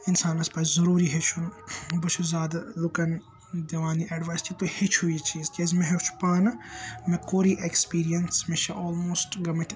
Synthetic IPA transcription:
ɪnsaːnɐspɐːszɐɾuːɾiɦet͡ʃʰunbɐt͡ʃʰuzaːd̪alukɐn | d̪ɐʋaːniʔɐɖʋaːjst͡ʃʰit̪ohit͡ʃʰuit͡ʃʰiːzkʲezmẽɦet͡ʃʰu̥paːnɐmẽkoːɾiʔekspiːɾijɐnsmeʃʰɐʔoːlmoːsʈɡɐmɐʈ

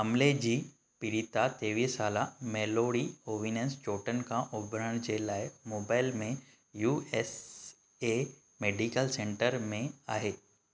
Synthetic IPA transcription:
ɐmled͡ʑiː | piɾit̪at̪eːʋiːsaːlameːloːɾioːʋiːnenst͡ɕoːʈənkʰãʔʊbʱɾəɽ̃d͡ʑelaːɪmoːbaːɪlmẽ | juːes | e | meːɖikəlsẽɳʈəɾmẽaːɦeː

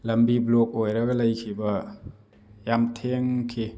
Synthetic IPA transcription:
lɐmbiblok̚ojɾaɡalajkʰibɐ | jamtʰeŋkʰi

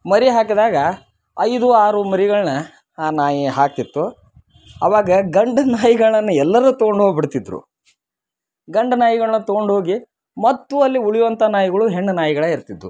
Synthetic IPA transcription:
mɐɾiɦaːkɐd̪aːɡɐ | ɐjd̪uaːɾumɐɾiɡɐɭnɐ | aːnaːjiɦaːk̚t̪it̪ːu | ɐʋaːɡɐɡɐɳɖɐnaːjiɡɐɭɭɐnːɐɛlːɐɾuːt̪oɡoɳɖɦo̞ːɡbiɽt̪id̪ːɾṵ | ɡɐɳɖɐnaːjiɡɐɭɐnːɐt̪oɡoɳɖɦoːɡi | mɐt̪ːuɐlːiuɭijʋɐnt̪ɐnaːjiɡɐɭuɦe̞ɳːɐnaːjiɡɐɭeːiɾt̪id̪ɾu

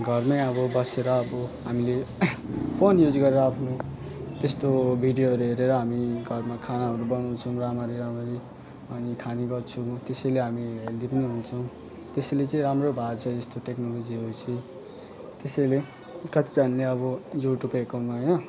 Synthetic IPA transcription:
ɡʱʌrmʌjʌbʌbʌseɾʌːbʌɦamile | pʰonjud͡zɡʌɾeɾʌapʰno | t̪est̪obʱiɖijoɦʌɾuɦeɾeɾʌɦamiɡʱʌrmakʰanaɦʌɾubʌnaw̃t͡sʰʌw̃ramaɾiɾamaɾi | ʌnikʰaniɡʌrt͡sʰut̪esʌjleɦamiɦeld̪ipʌniɦunt͡sʰʌw̃ | t̪esʌlet͡sʌ̃ĩɾamrobʱat͡sʰʌĩʌst̪oʈeknolod͡ziɦʌɾut͡sʰʌj̃ | t̪esʌjle | kʌt̪id͡zanleʌbʌjuʈubekawnʌɦʌjnʌ

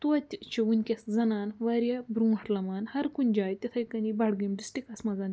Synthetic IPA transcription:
t̪uɐt̪ʲːt͡ʃeunkʲɐsd͡zɐnanʋaɾjabɾũɐʈlamanhɐɾkund͡ʒajt̪ʲɐt̪ʰɐjkɐnibaɽɡemɖisʈikɐsmad͡zan

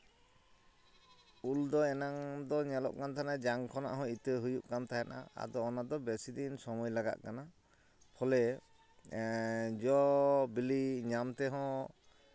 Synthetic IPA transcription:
uld̪ɔɛnaŋd̪ɔɲɛlɔ̰ʔkant̪ʰanad͡ʒaŋkʰɔna̰ʔɦɔ̃it̪əɦujuʔkamt̪ajana̰a̰d̪ɔːnad̪ɔbɛsid̪insɔmɔjlaɡa̰ʔ̪kana | pʰɔlɛ | d͡ʒɔbiliɲamt̪ɛɦɔ̃

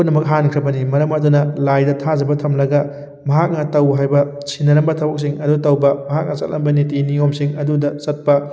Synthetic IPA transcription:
unɐmɐk̚ɦankʰɾɐbɐnimɐɾɐmɐdunɐlajdɐtʰazɐbɐtʰɐmlɐɡɐ | mɐɦak̚nɐtɐwɦajbɐ | sʰinɐɾɐmbɐtʰɐbɐk̚s̬iŋɐdutɐwbɐmɐɦak̚nɐsɐ̰t̚lɐmbɐnitiniomsiŋɐdudɐsɐt̚pɐ

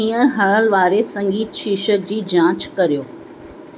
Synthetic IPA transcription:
ĩːəɾɦɐɭəlʋaːɾesɐ̃ŋɡiːt̪ʃiːʃəɾd͡ʑiːd͡ʑãːt͡ɕkɐɾijoː

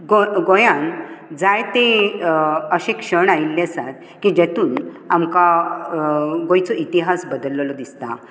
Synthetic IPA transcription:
ɡoɡojãnd͡zajt̪e | əɕekʂəɳailːesat̪ | kid͡ʑet̪uːn | amka | ɡojt͡sɔʔit̪iɦasbəd̪əlːlɔd̪ist̪a̰

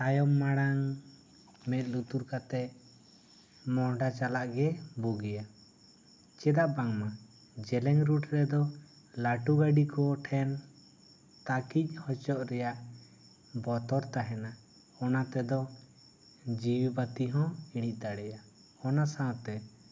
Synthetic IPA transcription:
tajɔmːaɽaŋ | mɛt̪̚lut̪uɾkat̪ɛ | mɔɖat͡ʃalaʔɡɛbɔɡɛja | t͡ʃɛd̪aʔbaŋma | d͡ʒɛlɛŋɾuʈʰɾɛd̪ɔ | laʈuɡaɖikɔʈʰɛn | t̪akic̚ˀhɔt͡ʃɔʔɾɛjaʔ | bɔt̪ɔɾt̪aɦɛna | ɔnat̪ɛd̪ɔ | d͡ʒiwibat̪iɦɔ̃iɽ̃ic̪̚ˀd̪aɽɛja | ɔnasawt̪ɛ

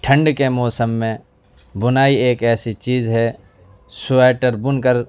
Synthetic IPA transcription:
ʈʰə̃ɳɖkemɔːsəmːẽ | bʊnaːieːkɛːsit͡ʃiːzɦɛ | sʊɛːʈəɾbʊnkəɾ

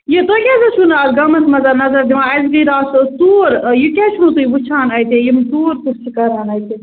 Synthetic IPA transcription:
jet̪okʲazɐt͡ʃʰunaːzɡɐmɐsmɐzɐɾnɐzɐɾd̪iʋãːɐzɡiɾaːst̪uːɾjikʲɛt͡ʃʰunũt̪ujibut͡ʃʰaːnɐjt̪ejimt̪uːɾt̪ust͡ʃʰikɐɾaːnɐːjt̪e

